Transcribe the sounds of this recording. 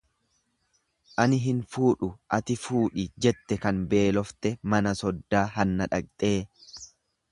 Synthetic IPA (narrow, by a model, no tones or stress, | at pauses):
ʔɐnɪɦɪnfuːᶑʊʔɐt̪ɪfuːᶑɪd͡ʒɛt̪ːɛkɐnbe̞ːlɔft̪ɛmɐnɐsɔd̪ːaːɦɐnːɐᶑɐk̚ʼt̪ʼe̞ː